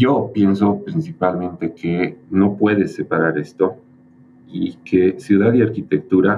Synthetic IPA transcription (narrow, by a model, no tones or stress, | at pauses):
jo̞pje̞nso̞pɾinsipalmẽnt̪e̞kʰeno̞pwe̞ðe̞sːe̞paɾaɾe̞st̪o̞ | ikʰesjuðaðiaɾkit̪e̞k̚t̪uɾa